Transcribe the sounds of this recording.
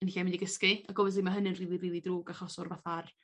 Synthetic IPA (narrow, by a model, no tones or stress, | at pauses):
ənɬamɪndiɡəskɨaɡɔvɛsðimaɦənɨnriːlˠiriːlˠidruːɡaχɔsɔrvaθar